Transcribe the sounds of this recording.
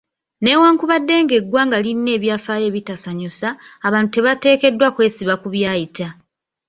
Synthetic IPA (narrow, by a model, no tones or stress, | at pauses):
ne̞waːŋkuβadːe̞ːŋɡe̞ɡwaːŋɡalinːe̞ːβjaːfaːje̞ːβitasaɲosaːβaːntute̞βate̞ːke̞dːwakwe̞ːsiβakuβjaːjita